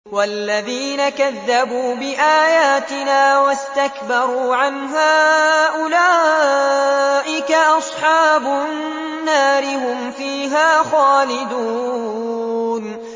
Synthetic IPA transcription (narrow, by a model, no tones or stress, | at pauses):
walːaðiːnakaðːabuːbɪʔaːjaːt̪ɪnaːwast̪akbɑɾˤuːʕanɦaːʔʊlaː | ʔɪkaʔɑsˤħɑːbʊ | nːaːɾɪɦʊmfiːɦaːxaːlɪd̪uː | n